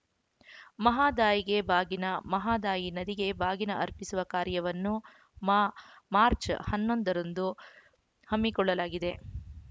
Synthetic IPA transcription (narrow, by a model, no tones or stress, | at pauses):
mɐɦaːd̪aːjiɡe̞bʱaːɡinɐmɐɦaːd̪aːjinɐd̪iɡe̞bʱaːɡinɐʔɐɾpisuʋɐkaːɾjɐʋɐnːu | mmaːɾt͡ʃhɐnːo̞nd̪ɐɾɐnd̪u | hɐmːikɔɭːɐlaːɡid̪e̞